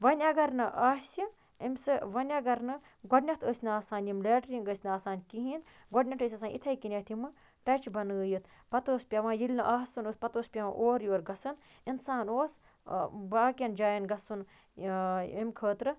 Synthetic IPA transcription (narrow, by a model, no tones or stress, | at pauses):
ʋɐnʲɐɡɐɾnɨʔaːsʲi | ɐmʲsɨʋɐnʲɐɡɐɾnɨ | ɡɔɖnʲɐt̪ʰəːsʲnɨaːsaːnʲimleːʈɾiŋɡəːsʲnaːsaːnʲkiɦiːn | ɡɔɖnʲɐʈəːs̬ʲɐːsaːnʲʔḭt̪ʰɐjkinʲɐt̪ʰimɨ | ʈɐt͡ʃʰbɐnəːjɨt̪ʰ | pɐt̪oːspʲɐʋãːjilʲnɨʔaːɦsɨnoːspɐt̪oːspʲɐʋã̰ːʔoːɾjoːɾɡɐsɨn | insaːnoːs | baːkʲɐnd͡ʒaːjɐnɡɐsun | imʲkʰəːt̪ɾɨ